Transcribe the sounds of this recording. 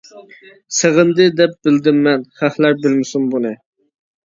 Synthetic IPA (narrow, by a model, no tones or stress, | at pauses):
seʁɨnd̪ɨd̪ɛp̚bɪld̪ɪmːɛnχæχlæɾbɪlmɪsumbunɨ